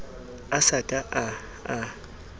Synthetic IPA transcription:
asakʼaʔa | a

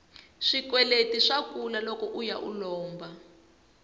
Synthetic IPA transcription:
ʂikwɛletiʂakulalɔkɔʔujaʔṵlɔːmba

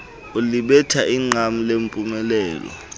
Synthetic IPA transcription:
uliɓɛtʰaʔiŋ͡ǀʱam̩lempʼumɛlɛːlɔ̰

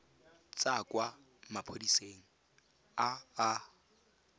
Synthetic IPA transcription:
t͡sʼakʼwa | mapʰodiseːŋ̩ | aː

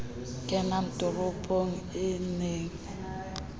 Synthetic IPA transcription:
kʼɛnam̩tʼʊbʊpʼʰoŋ̩ɪneːŋ̩

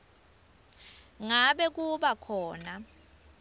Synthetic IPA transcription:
ŋaɓɛk̬uɓakʰɔːna

